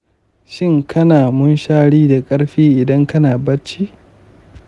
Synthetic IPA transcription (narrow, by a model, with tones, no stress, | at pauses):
ʃɪ˦ŋkʰɐ˦naː˨mʊ˦nʃaː˦ɽiː˦da˨kʼɐ˦ɽɸiː˦ʔɪ˨dɐ˦ŋkɐ˦naː˨bɐ˦t͡ʃːiː˦